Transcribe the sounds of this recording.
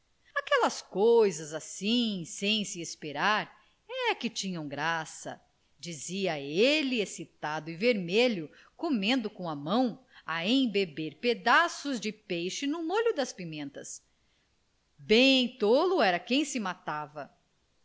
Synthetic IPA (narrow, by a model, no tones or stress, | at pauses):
akɛlɐskojzɐzasĩsẽj̃siespeɾaɾ | ɛkɪt͡ʃĩɲɐ̃w̃ɡɾasɐ̰ | d͡ʒiziɐelɪesit̪ad̪ʊiveɾmeʎʊ | komẽnd̪ʊkõɐmɐ̃w̃ɐẽj̃bebeɾped̪asʊzd͡ʒɪpejʃɪnʊmoʎʊd̪ɐspimẽnt̪ɐs | bẽt̪olʊɛɾɐkẽj̃sɪmat̪avɐ